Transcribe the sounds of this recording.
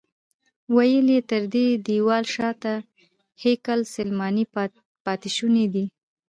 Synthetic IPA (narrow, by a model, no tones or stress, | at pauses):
wajəlet̪əɾd̪ed̪iwɑlʃɑt̪a | hekalsəlmɑni | pɑt̪iʃuned̪i